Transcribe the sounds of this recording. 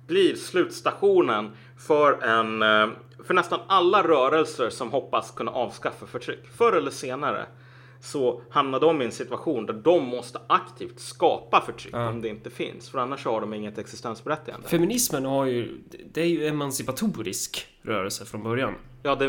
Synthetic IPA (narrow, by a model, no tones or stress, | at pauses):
b̥liːɾslʉ̟ːt̪st̪aɧuːnən | fœɾɛn | fœɳɛst̪analːaɾœːɾɛlsəʂɔmɦɔpːaskʰɵnːa̰ʔɑːvskafːafœʈʰɾʏkːfœɾɛlːəʂeːnaɾə̰ | sɔhamnad̪əɔmɪɛnsɪt̪ɵaɧuːnd̪æɖɔmːɔst̪əʔakt̪ʰiːft̪skɑ̰ːpafœʈʰɾʏ̰kːɔmd̪ɛɪnt̪əfɪ̰nsfœɾanːaʂɔhaɖɔmɪŋːət̪ɛksɪst̪ɛnsbɛɾɛt̪ːɪɡa̰fɛmɪnɪsmənhaɾjɵd̪ɛæɾjɵɛmansɪpat̪ʰuːɾɪ̰sk | ɾœ̰ːɾɛlsəfɾɔnbœɾjan | jɑːd̪ɛ